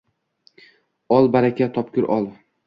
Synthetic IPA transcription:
ɒlˠbaɾakʲat̪ʰɒpkʲʊɾʔɒlˠ

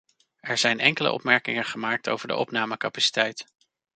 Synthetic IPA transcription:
ɛɹz̥ɛjnɛŋkələ̰ʔɔ̰pmɛɹkɪŋəχəmaːk̚to̰wvəɹdə̰ʔɔpnaːməkapasi̥tɛjt

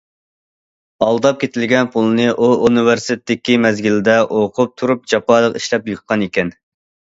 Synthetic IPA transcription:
ɑlˠd̪ɑp̚kʲʰet̪ɪlɡʲɛnpʰulˠɨnɨʔuunɨveɾsɪ̥t̪ʰɪdɪkʲimɛzɡʲilɪd̪ɛʔoqʰʊp̚t̪ʰuɾup̚d͡ʒɑpɑːlˠəqiʃlɛpjuχqʰɑnekʲɛn

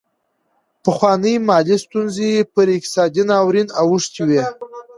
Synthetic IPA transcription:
pəxwɑnəjmɑlist̪unzeepəɾɪk̚t̪ɪ̥sɑd̪inɑwɾinawuʂt̪iwe

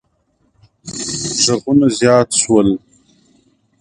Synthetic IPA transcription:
ʒaɣunazjɑːt̪ʃwəl

